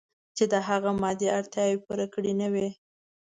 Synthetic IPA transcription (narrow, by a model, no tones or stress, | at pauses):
t͡ʃed̪əɦaɣamɑd̪iaɾt̪jɑwepuɾakəɽinəwi